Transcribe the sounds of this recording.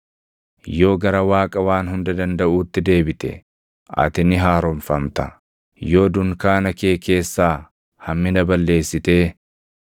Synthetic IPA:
jo̞ːɡɐɾɐwaːkʼɐwaːnhʊnd̪ɐd̪ɐnd̪ɐʔuːt̪ːɪd̪e̞ːbɪt̪ɛ̰ | ʔɐ̰t̪ɪnɪɦaːɾɔɱfɐmt̪ɐ | jo̞ːd̪ʊŋkaːnɐke̞ːke̞ːsːaː | hɐmːɪnɐbɐlːe̞ːsːɪt̪e̞ː

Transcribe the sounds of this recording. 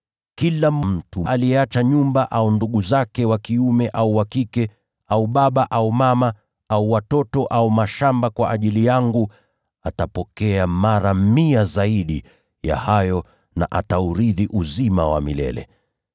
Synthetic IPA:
kilamm̩tuʔalijɛat͡ʃaɲumbaʔaunduɠuzakɛwakiumɛʔauwakikɛ | auɓaɓaʔaumama | auwatɔtɔʔaumaʃambakwaʔaʄilijaŋɡu | atapɔkɛamaɾamiazaiɗi | ja̰hajɔ | na̰ʔatauɾiðiʔuzimawa̰mḭlɛ̰lɛ̰

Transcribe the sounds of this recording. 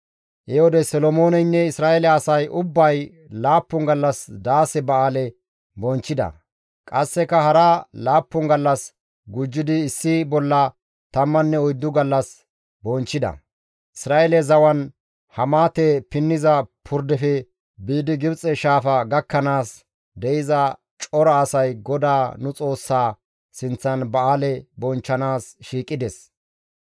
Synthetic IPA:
ʔɛhɔd̪ɛsɔlɔmoːnɛnːɛɪsɾaːelɛɐsɐjʔʊbːɐj | laːpːʊŋɡɐlːɐsd̪aːsɛbɐaːlɛ | bɔnt͡ʃːɪd̪ɐ̰ | kʼɐsːɛkɐhɐɾalaːpːʊŋɡɐlːɐs | ɡʊd͡ʒːɪd̪ɪːsːɪbɔlːɐ | t̪ɐmːɐnːɛɔjd̪ːʊɡɐlːɐs | bɔnt͡ʃːɪd̪ɐ̰ | ʔɪsɾaːɛlɛzɐwɐn | hɐmaːt̪ɛpɪnːɪzɐpʰʊɾd̪ɛfɛ | biːd̪ɪɡɪbt͡sʼɛʃaːfɐɡɐkːɐnaːs | d̪ɛɪzɐ | t͡ʃʼɔɾɐːsɐjɡɔd̪aːnʊt͡sʼo̞ːsːaː | sɪnt͡sːɐnbɐaːlɛbɔnt͡ʃːɐnaːsʃiːkʼːɪd̪ɛs

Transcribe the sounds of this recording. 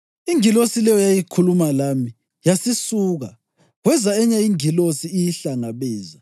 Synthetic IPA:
iŋilosilɛjɔjajikʰulumalami | jasisuːɣa | ɣwɛzaɛɲaiŋilosiːjiɬaŋaβɛːza

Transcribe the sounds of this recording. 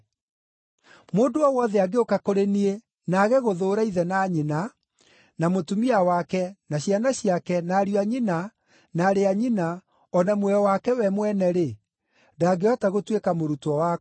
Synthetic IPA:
moːdoɔwɔðɛaɡeokakoɾenie | naːɣɛɣoðoːɾaiðɛnaːɲina | namotumiawakɛnaɕianaɕiakɛnaːɾiaɲina | naːɾeaɲina | ɔnamwɛɔwakɛwɛmwɛnɛɾe | daɡeɔtaɣotwekamoɾutɔwa

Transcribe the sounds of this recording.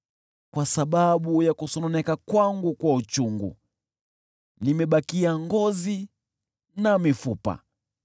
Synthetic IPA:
kwasaɓaɓujakusɔnɔnɛkakwaŋɡukwaut͡ʃuŋɡṵ | nimɛɓakiaŋɡɔzi | namifupa̰

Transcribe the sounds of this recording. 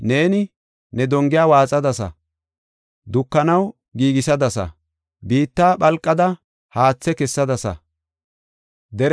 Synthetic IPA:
ne̞ːnɪ | nɛd̪ɔŋɡɪjaːwaːt͡sʼɐd̪ɐsɐ̰ | d̪ʊkːɐnɐw | ɡiːɡɪsɐd̪ɐsɐ̰ | biːt̪ːaːɓɐlkʼːɐd̪ɐ | haːt͡sːɛkɛsːɐd̪ɐsɐ̰ | d̪ɛɾ

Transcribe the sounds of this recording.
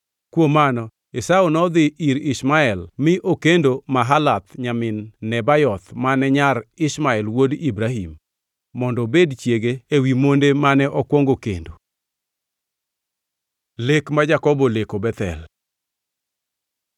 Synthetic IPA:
kwomanɔ | esaunɔd̪ɪʔiɾɪsmaɛlmɪʔokendomaɦalat̪ɲamɪnːɛbajɔt̪manɛɲaɾɪsmaɛlwodibɾaɦimː | ɔndɔbedt͡ʃjeɡeːwimondemanɛʔɔkwoŋɡokḛndo | lekmad͡ʒakɔbɔlekobɛt̪ɛ̰l

